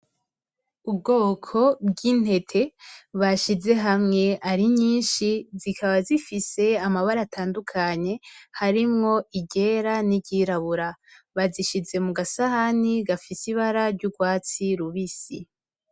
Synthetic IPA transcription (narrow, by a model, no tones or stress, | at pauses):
ub̚ɡoːkʰo̞bɡiːn̥he̞tʰe̞βaʃize̞ɦamŋe̞aɾiɲiːnʃizikʰaβazifise̞amaβaɾatʰaːndukʰaɲe̞haɾimŋo̞ʔiɟe̞ɾaniɟiːɾaβuɾaβaziʃize̞muɡasahaniɡafisiβaɾaɾɟuɡwaːt͡siɾuβisḭ